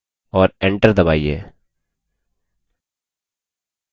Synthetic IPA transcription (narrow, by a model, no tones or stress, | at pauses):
ɔːɾẽɳʈəɾd̪əba̰ːiḛː